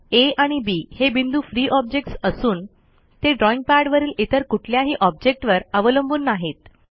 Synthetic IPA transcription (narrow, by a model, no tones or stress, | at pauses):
eaɽ̃ibiːhebind̪uːfɾiːʔɔb̚d͡ʑek̚ʈsəsuːn | t̪eɖɾɔiŋɡ̚paɽʋəɾiːlit̪əɾkuʈʰljaɦiːʔɔb̚d͡ʑek̚ʈʋəɾəʋələmbuːnːaɦet̪